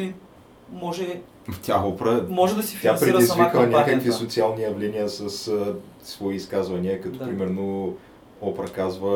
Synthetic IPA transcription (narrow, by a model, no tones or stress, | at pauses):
li | mɔʒɛ | t̪ʰʲaɔpɾəmɔʒɛd̪ɐstsifiãpɾɛɾizviknʲakəkvisot̪sialˠnijɐvlɛniəsɐssvɔiːskazvɐniəkɐt̪ɔpɾimɛɾno | ɔpɾɐkazvə